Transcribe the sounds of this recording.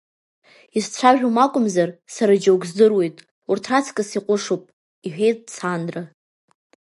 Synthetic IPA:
ist͡ɕʷʰaʒᶣʲumakʷʼʊmzarsaɾad͡ʒawɡʷzdɨrwe̞jtʼ | urtʰrat͡sʰkʼasiqʷʼʊʂupʼ | iħᶣejtʼt͡sʰandra

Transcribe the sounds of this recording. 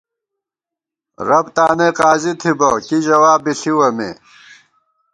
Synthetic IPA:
ɾɐbt̪aːneqaːzit̪ʰibɐkiʑɐwaːbiɬiwɐmḛː

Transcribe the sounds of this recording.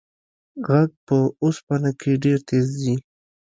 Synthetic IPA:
ɣaɡ̚pəospanakʰeɖeɾt̪ezi

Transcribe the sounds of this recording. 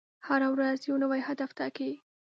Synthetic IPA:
haɾawɾazjonəwajhad̪aft̪aki

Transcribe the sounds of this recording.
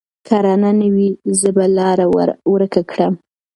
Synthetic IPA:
kʰɑɾɑnanawizəbalɑɾawɾəkakɽəm

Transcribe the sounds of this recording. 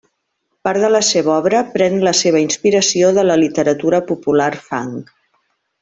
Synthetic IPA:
paɾðələseβɔβɾəpɾɛnləseβ̞əinspiɾəsioðələlit̪əɾət̪uɾəpupularfa̰ŋ

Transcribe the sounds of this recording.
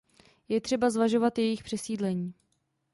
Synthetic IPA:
jɛt̪r̝̥ɛbazvaʒo̞vat̪jɛjɪxpr̝̥ɛsiːdlɛɲiː

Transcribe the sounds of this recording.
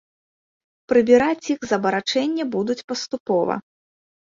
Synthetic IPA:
pɾɨbʲiɾat͡sʲixzɐbɐɾat͡ʂɛnʲːɐbud̪ut͡sʲpɐst̪upɔvɐ̰

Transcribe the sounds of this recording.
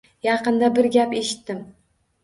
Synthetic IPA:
jɑqɨnd̪abɪɾɡʲape̞ʃɪ̥t̪ːɪm

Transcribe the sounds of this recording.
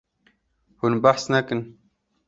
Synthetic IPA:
hunbaħsnakɨn

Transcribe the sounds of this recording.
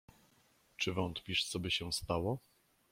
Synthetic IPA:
t͡ʂɘvɔnt̪pʲiʂt̪sɔbʲɘɕɛst̪awɔ

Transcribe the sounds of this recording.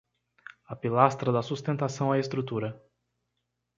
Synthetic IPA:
apilast̪ɾɐd̪ɐsust̪ẽnt̪asɐ̃w̃aest̪ɾut̪uɾɐ

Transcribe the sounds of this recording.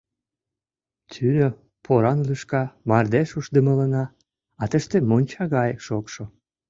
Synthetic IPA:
t̪ʰynø | pʰoɾɑnlyʃkɑmɑrd̪eʃuʃd̪əmə̆lənɑː | t̪əʃt̪emonʲt͡ɕɑɣɑjəkʃokʃo

